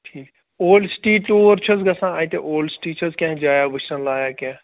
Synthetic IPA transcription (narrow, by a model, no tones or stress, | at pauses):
ʈʰiːk | oːlɖsʈiːʈːoːəɾt͡ʃʰəzɡɐsãːaːĩt̪ḛʔoːlɖsʈiːt͡ʃʰəzkɛ̃ːd͡ʒaːjaːʋət͡ʃʈənlaːjaːkɛ̃ː